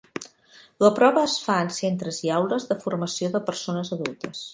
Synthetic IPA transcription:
ləpɾɔβəːsfaənsent̪ɾəziawləzðəfurməsioðəpəɾsonəzəðulˠt̪əs

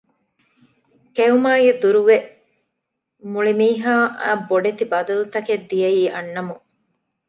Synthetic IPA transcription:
keumaːɡed̪uɾuʋe | muɭimiːɦaːʔboɖet̪ibɐd̪ɐlut̪ɐked̪ːijɐiːʔɐnːɐmu

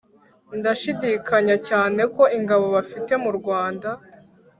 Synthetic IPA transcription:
ndaʃidiːkaɲacaːne̞ko̞iŋɡaβo̞βafite̞muɾɡwaːnda

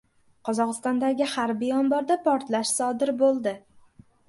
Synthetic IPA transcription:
qʰɒzɒqɨst̪ɒnd̪aɡʲɪhaɾbijɒmbɒɾd̪apʰɒɾt̪laʃsɒd̪ɪɾbolˠd̪ɪ

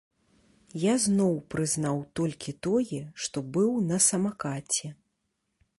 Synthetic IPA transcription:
jaznɔwpɾɨznawt̪ɔlʲkʲit̪ɔjɛʂt̪ɔbɨwnɐsɐmakat͡sʲɛ

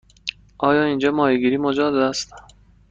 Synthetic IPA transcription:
ʔɒːjɒːind͡ʒɒːmɒːjeɡiːɾiːmod͡ʒɒːd̪d̪æst̪

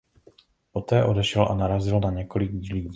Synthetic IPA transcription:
po̞t̪ɛːʔo̞dɛʃɛlʔa̰naɾazɪlnaɲɛko̞lɪɡiːliː

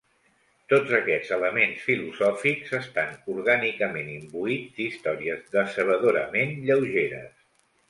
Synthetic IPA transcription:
t̪od͡zəkɛ̥d͡zələmensfiluzɔfikzəst̪anuɾɣanikəmenimbuid͡zd̪ist̪ɔɾiəzðəsəβəðoɾəmenʎəwʒeɾə̰s

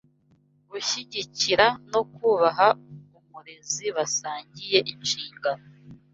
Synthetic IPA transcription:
βuçiɟiciɾano̞kuβaɦaumuɾeziβasaːɲɟije̞ʔinʃiːŋɡao

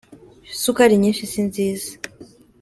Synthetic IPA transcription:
sukaɾiɲĩːnʃisinziːzḁ

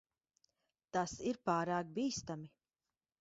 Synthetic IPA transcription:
t̪asiɾpaːɾaːk̚biːst̪ami

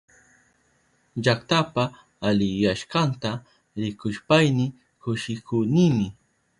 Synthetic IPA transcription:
ʎakt̪apaː | lɪjaʃkant̪a | ɾɪkʊʃpajnɪ | kʊʃɪkʰʊːnɪmɪ

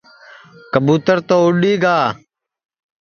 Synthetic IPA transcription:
kəbuːt̪əɾt̪oːʊɗiːɡaː

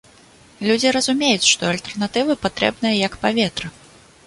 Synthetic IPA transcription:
lʲud͡zʲiɾɐzumʲejut͡sʲʂt̪ɔɐlʲt̪ɛrnat̪ɨvɨpat̪ɾɛ̰bnɨjɐjɐkpavʲet̪ɾɨ

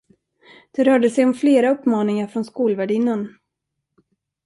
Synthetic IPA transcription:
d̪̥ɛɾœːɖəsɛjɔmfleːɾaɵpːmɑːnɪŋaɾfɾɔnskuːlvæɖɪnːən

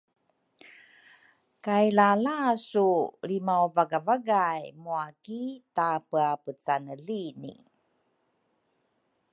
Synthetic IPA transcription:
kajlalasulimawvaɡavaɡajmuakitapəapət͡sanəlinḭ

